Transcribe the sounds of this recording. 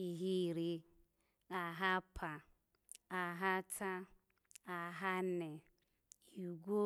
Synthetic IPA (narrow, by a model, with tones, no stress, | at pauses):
i˨ɦi˦ɾi˦ | a˨ɦa˦pʰa˨ | a˨ɦa˦ta˦ | a˨ɦa˦nɛ˨ | i˨ɡʷo˦